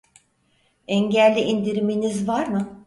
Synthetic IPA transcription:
ɛɲɟælʲːiʔind̪iɾiminizvaɾmɯ

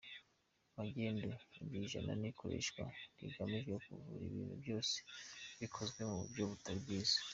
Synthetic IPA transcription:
maɟeːndebiʒana̰niko̞ɾḛʃkwaɾḭɡamiʒokuvṵɾiβḭːnhṵbjo̞ːse̥βikʰo̞zɡwe̞muβṵbjoβutaɾibɡiːzḁ

